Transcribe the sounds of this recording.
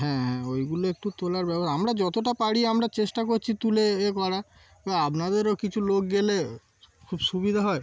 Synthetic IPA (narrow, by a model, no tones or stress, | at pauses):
ɦɛ̃ɦɛ̃ojɡuloek̚ʈut̪olaɾbɛbaamɾad͡ʑɔt̪oʈapaɽiamɾat͡ɕeʃʈakoɾt͡ɕʰit̪uleekɔɽa | baapnad̪eɾokit͡ɕʰulok̚ɡele | kʰubʃubid̪ʱaɦɔe